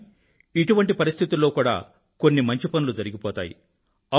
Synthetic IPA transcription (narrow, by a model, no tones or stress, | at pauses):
iʈuʋɐɳʈipɐɾist̪ʰit̪ulːo̞ːkuːɽa̰ː | konːimɐɲt͡ʃipɐnulud͡ʒɐɾiɡipɔːt̪aːjḭ | ɐ